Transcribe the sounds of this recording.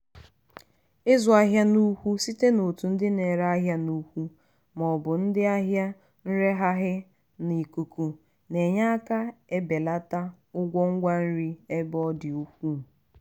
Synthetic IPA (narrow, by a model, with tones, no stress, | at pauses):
ɪ˦zʊ˨a˦ɦja˦nu˦hu˦si˦te˦no˨tu˨n̩˦dɪ˦ne˨ɾa˦ɦja˦nu˦hʷu˦ | mɔ˨bʊ˨n̩˦dɪ˦a˦ɦja˦ | n̩˦ɾe˦ɦa˦ɦɪ˦ | ni˨ku˨ku˨ | ne˨ɲa˦a˦ka˦e˦be˨la˦ta˦ | ʊ˦ɡʷɔ˦ŋ̩˦ɡʷa˦n̩˦ɾi˦e˦bɔ˦dɪ˨u˦kʷu˦˨